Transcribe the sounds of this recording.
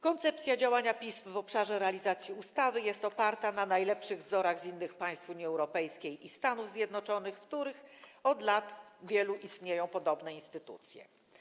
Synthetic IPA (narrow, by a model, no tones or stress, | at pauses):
kɔnt̪sɛp̚t̪sʲjad͡ʑawaɲapʲismvɔpʂaʐɛɾɛalʲizat̪sʲjiust̪avɘjɛst̪ɔpaɾt̪ananajlɛpʂɘɣvzɔɾaɣzinːɘxpaj̃st̪fuɲjiɛwɾɔpɛjskʲejist̪anuvzʲjɛd̪nɔt͡ʂɔnɘxfkt̪uɾɘxɔd̪lat̪vʲjɛluʔist̪ɲejɔ̃w̃pɔd̪ɔbnɛinst̪ɘt̪ṵt̪sʲjɛ̰